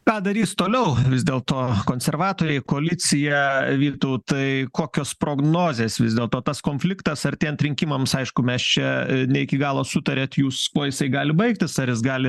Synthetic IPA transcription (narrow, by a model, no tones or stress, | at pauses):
kɑːd̪ɐɾʲiːst̪oːlʲɛʊʋʲɪzʲd̪ʲeːlˠt̪oːkoːnʲsʲɛrʋɑːt̪oːɾʲɛɪkoːlʲɪt͡s̪ʲɪjɛʋʲiːt̪oʊt̪ɐɪkoːkʲoːspɾoːɡnoːzʲeːsʋʲɪzʲd̪ʲeːlˠt̪oːt̪ɐskoːnʲfʲlʲɪkt̪ɐsɐrt̪ʲɛːnt̪ʲɾʲɪŋʲkʲɪmɐmsɐɪʃkʊmʲɛst͡ʃʲɛnʲɛɪkʲɪɡɑːlˠoːsʊt̪ɐɾʲeːt̪juːskoːjɪsɐɪɡɑːlʲɪbɐɪkt̪ʲɪsɐɾjɪs̬ɡɑːlʲɪ